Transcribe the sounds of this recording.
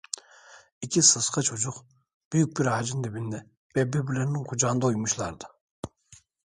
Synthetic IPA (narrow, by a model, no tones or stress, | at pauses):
ikʲʰisɨsqʰɑt͡ʃʰod͡ʒʊq | b̥yjyk̚ʲbiɾhɑːd͡ʒind̪ɪbind̪ɛ | bɛbɪbɪlɛɾnɪŋqʰud͡ʒɑnd̪ɑojmuʃlˠɑɾd̪ɨ